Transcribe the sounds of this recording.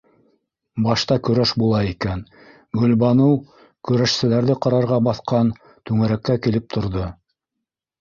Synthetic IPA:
bɑʃt̪ɑkɵ̆ɾæʃbulˠɑikæn | ɡɵ̆lbɑnow | kɵ̆ɾæʃsɘ̆læɾðɘqɑɾɑɾʁɑbɑθqɑn | t̪ʉŋæɾækːækilɘp̚t̪ʰŏɾðo

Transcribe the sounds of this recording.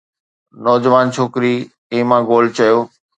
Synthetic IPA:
nɔːd͡ʑʋaːnt͡ɕʰoːkɾi | ẽːmãːɡoːlt͡ɕɐjoː

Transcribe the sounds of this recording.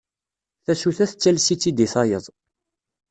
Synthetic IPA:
θæsuθæθət͡sːælsit͡sːid̪iθɑjəðˤ

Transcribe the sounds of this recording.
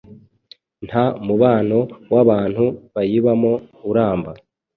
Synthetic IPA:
n̥hamuβaːno̞waβaːn̥huβajiβamo̞uɾaːmba

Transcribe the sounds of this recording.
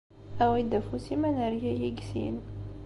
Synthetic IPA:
æwid̪æfusimænæɾjæjiɡsḭn

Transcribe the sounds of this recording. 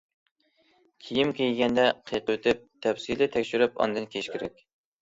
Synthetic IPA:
kʲʰijimkʲʰejɡʲɛnd̪ɛqʰijqʰəwøt̪ʰɪp̚t̪ʰɛwsilɪt̪ʰɛkʲʃyɾypɑ̰nd̪ɨnkʲʰeʃkʲʰeɾɛkʲ

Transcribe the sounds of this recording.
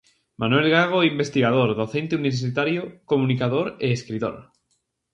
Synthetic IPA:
manwelɣaɣ̞oimbest̪iɣað̞oɾðoθent̪euniβeɾsit̪aɾjokomũnikað̞oɾeːskɾit̪o̰ɾ

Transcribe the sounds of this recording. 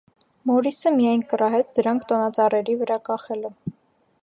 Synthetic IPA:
mɔɾisəmijɑjnkərɑɦɛt͡sʰd̪əɾɑŋkʰt̪ɔnɑt͡sɑrɛɾivəɾɑkɑχɛlə

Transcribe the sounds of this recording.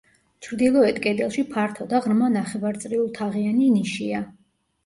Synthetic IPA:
t͡ʃʰɾd̪ilˠɔɛt̪kʼɛd̪ɛlˠʃipʰaɾt̪ʰɔd̪aʁɾmanaχɛvaɾt̪sʼɾiulˠt̪ʰaʁianiniʃia

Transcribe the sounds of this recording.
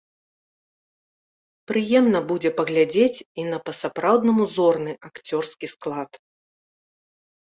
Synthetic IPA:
pɾɨjɛmnɐbud͡zʲɛpɐɣlʲad͡zʲet͡sʲinɐpɐsapɾawd̪nɐmuzɔrnɨʔakt͡sʲɔrskʲisklˠat̪

